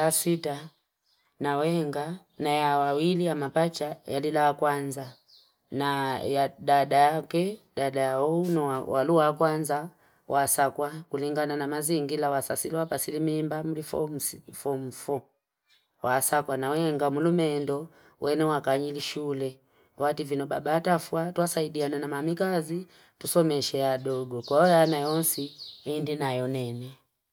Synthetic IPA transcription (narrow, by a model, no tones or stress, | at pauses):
asita | nawɛŋɡa | najawawilijamapat͡ʃajalilaakwanza | najadadajakɛdadajaunɔawa̰luakwanza | wʔasakwakuliŋɡananamaziŋɡilawasasiliwapasilimimbamulifɔmsfɔm̩fɔ | wasakwanawɛŋɡamulumɛndɔ | wʔɛnɛwakaɲiliʃulɛ | wativinɔbabaːtafwatwasaidiananamamikazi | tusɔmɛʃɛaɗɔɡɔkwaɔjanajɔnsiindinajɔnɛnɛ